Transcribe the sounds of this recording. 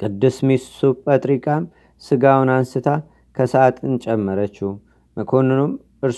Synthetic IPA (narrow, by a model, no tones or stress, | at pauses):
kʼɨd̪ːɨsmissupʼət̪ʼɾikʼam | sɨɡawʊnansɨt̪ʰa | kʰəsəat̪ʼɨnt͡ʃʼɛmːəɾət͡ʃːuh | məkʰo̞nɨnom | ʔɨɾ